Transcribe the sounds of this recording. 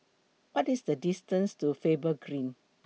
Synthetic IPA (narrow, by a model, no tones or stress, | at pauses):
wɔtisdədistə̃nstufebəɡɹĩn